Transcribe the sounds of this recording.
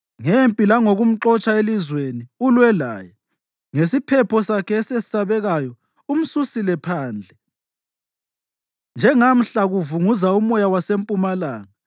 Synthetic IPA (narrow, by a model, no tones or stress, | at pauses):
ŋempʼilaŋoɣum̩ǁɔt͡ʃʼaelizweniulwɛla̰ːjɛ | ŋesipʰɛpʰɔsakʰɛːsesi̥saβɛɣajɔ | um̩susilɛpʰaːnd͡ɮʱɛ | nd͡ʒʱɛŋam̩ɬaɣuvuŋuzaumɔjawasempʼumalaːŋa